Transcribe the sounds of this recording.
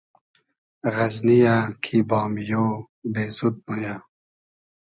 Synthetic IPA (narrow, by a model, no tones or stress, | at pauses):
ɣɐznijakʰibɑːmjoː | beːzud̪̚muja